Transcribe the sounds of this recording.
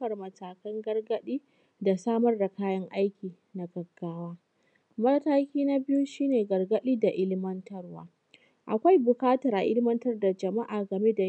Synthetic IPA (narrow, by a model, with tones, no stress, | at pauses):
ɐ˨rmɐ˨taː˨kɐ˦ŋɡɐ˦rɡɐ˦ɗiː˦ | da˨saː˦mɐ˦rda˨kaː˦jɐ˦ŋʔa˦jkʲiː˨ | na˨ɡɐ˨ɡːaː˦waː˦ | mɐ˦rtaː˦kʲiː˦na˦bɪ˦ju˦ʃiː˦neː˨ɡɐ˨rɡɐ˦ɗiː˦da˨ʔɪ˦lmɐ˦ntɐ˦rwa̰ː˨˦ | ʔa̰˨kʷa˦jbʊ˨kaː˦tɐ˨ɾʔa̰˨ʔɪ˦lmɐ˦ntɐ˦rda˨d͡ʒɐ˨ma˦ʔaː˨ɡɐ˨me˦da˨